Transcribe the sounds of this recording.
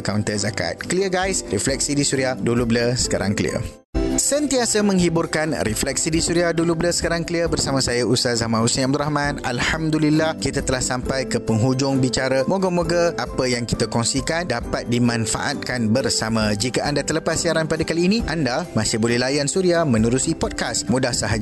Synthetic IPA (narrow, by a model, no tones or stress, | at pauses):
kawnt̪əzaka̰t̪̚kəliəɡajsriflɛk̚sidisuɾiahdulubləsə̥ka̰ɾa̰ŋkəlḭə̰ | sənt̪iasamə̃ŋhiburkanriflɛk̚sidisuɾiahdulubləsə̥kaɾaŋkəliəbərsamãsajaʔusazamãnhusanab̚d̪uɾahmãna̰lhamd̪ulilːahkit̪at̪əlahsampajkəpəŋɦud͡ʒʊŋbit͡ʃaɾamoɡəmoɡəʔapəjaŋki̥t̪akɔŋsikandapat̪̚dimãnfa̰ʔat̪̚kanbərsamãd͡ʒikaandat̪ələpasːiaɾanpadakaliːnĩʔandamãsihbolɛhlajansuɾiamə̃nuɾusipɔd̚kasmũdahsaɦad͡ʒ